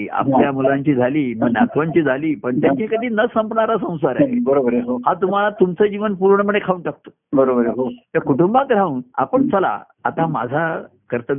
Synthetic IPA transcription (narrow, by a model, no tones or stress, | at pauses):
a̰pljamulãɲt͡ɕiːd͡zʱaliːməɡnat̪ʰʋãɲt͡ɕiːd͡zʱaliːpəɳt̪jat͡ɕakəd̪ʱiːnəsəmpɳaɾasə̃w̃saɾaɦebəɾobəɾɦoɦat̪um̤alat̪umt͡səd͡ʑiʋənpuɾɳəməɽekʰaʋuɳʈak̚t̪o̥ | bəɾobəɾɦoj̪jakuʈumbat̪ɾauːna̰pəɳt͡səla̰ | a̰t̪ama̰d͡zʱa | kəɾt̪ə